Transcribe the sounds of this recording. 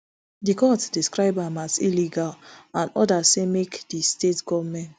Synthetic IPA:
dikɔtsdiskɾaɪbamaziliɡalãnɔ̰dasemekdistetɡɔvmɛ̃nt

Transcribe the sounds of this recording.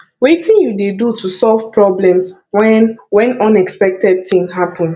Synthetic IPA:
wetĩnjudedutʰusɔlvpɹɔblɛ̃ms | wɛ̃nwɛ̃nɔ̃nɛkspɛk̚tɛd̚tĩŋɦapʰɔ̃n

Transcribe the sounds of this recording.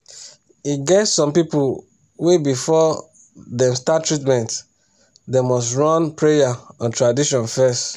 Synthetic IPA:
iɡɛtssːɔ̃mpipu | webifɔ | dɛ̃mstatːɹit̬mɛ̃nt | demɔstɹɔ̃npɹejaɔ̃ntɹadiʃɔ̃nfɛst

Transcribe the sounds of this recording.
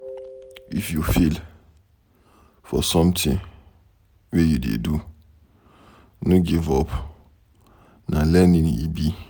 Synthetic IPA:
ifjufil | fɔ̰sɔ̃mtʰɪ̃ŋ | wɛjudḛdu | nʊ̃ɡivɔpʰ | nãlɛnɪ̃njḭbi

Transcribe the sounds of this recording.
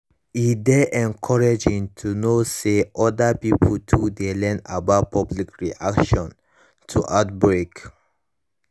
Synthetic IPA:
idɛʔɛ̃nkʰɔɹed͡ʒĩŋtʰunoseʔɔdapipʰultʰudelɛ̃nabat̚pʰɔblikɹiʔakʃɔ̃n | tʰuʔat̚bɹek

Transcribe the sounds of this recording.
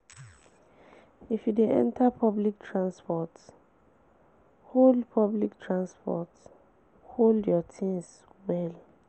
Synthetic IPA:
ifjudeʔɛ̰̃ntʰapʰɔblik̚tʰɹãnspɔt | holdpʰɔbliktʰɹãnspɔ̰t | holdjɔtʰĩŋs | wɛl

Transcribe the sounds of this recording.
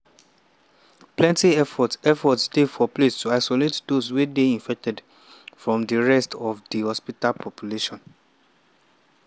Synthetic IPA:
plɛ̃ntiɛfɔtɛfɔtsdefɔplestʰuaɪsɔletdoswedeĩɱfɛk̚tʰɛd | fɹɔ̃mdəɹɛstʰɔvdihɔspitalpʰɔpʰjuleʃɔ̃n

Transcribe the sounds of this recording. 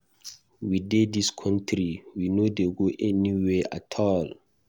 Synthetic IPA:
widediskʰɔ̃ntʰɾiwinodeɡoʔɛniwea̰tʰɔl

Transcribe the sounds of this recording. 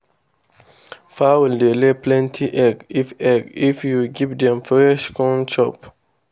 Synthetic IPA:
fawldeleplɛ̃ntʰiʔɛɡifɛɡifjuɡivdɛ̃mfɹɛʃkɔ̃nt͡ʃɔp

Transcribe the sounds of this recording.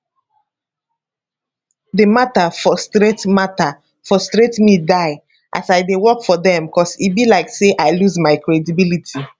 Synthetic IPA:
dematafɔstɹetmata | fɔstɹetmidaɪ | ʔa̰saɪdewɔkfɔðɛ̃mbikʰɔsibilaɪkseʔaɪluzmaɪkɹedibilitʰi

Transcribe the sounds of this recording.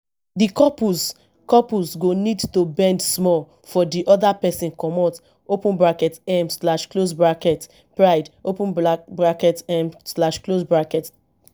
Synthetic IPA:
dikɔpuz | kɔpusɡonidtobɛ̃ndsmɔl | fɔdiʔɔdapɛsĩnkɔmɔt | opũnbɹakɛtɛmslaʃklosbɹakɛt | pɹaɪdopũnbɹakɛtɛmslaʃklosbɹakɛt

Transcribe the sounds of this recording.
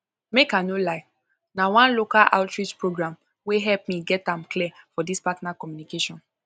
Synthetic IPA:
mekãnolaɪ | nawãnlokalʔa̰ʊtɹit͡ʃpɹoɡɹãm | weɦɛlpmĩɡɛtãmklifɔdispatnakɔmjunikeʃɔ̃n

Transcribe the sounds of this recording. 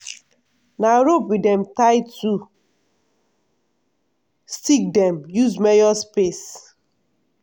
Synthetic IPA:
naɹopwidɛ̃mtaɪtʰu | stik̚dɛ̃mjuzmɛjɔspes

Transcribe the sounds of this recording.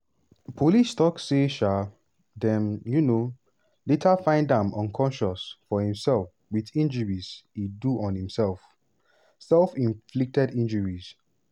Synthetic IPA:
pʰolistɔkseʃa | dɛ̃mjuno | letʰafãɪ̃ndãmɔ̃nkʰɔ̃nʃɔsfɔhĩmsɛlˠf | wiðĩnd͡ʒəɹiz̥hiduʔɔ̃nhĩmsɛlf | sɛlfĩnflik̚tɛdĩnd͡ʒəɹiz̥

